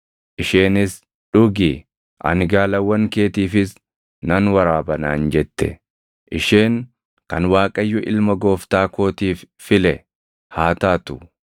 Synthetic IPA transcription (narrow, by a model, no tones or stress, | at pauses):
ʔɪʃe̞ːnɪs | ᶑʊɡi | ʔɐ̰nɪɡaːlɐwːɐŋke̞ːt̪iːfɪs | nɐnwɐɾaːbɐna̰ːnd͡ʒɛt̪ːɛ̰ | ʔɪʃeːŋ | kɐnwaːkʼɐjːʊʔɪlmɐɡo̞ːft̪aːko̞ːt̪iːfːɪlɛ | haːt̪aːt̪ʊ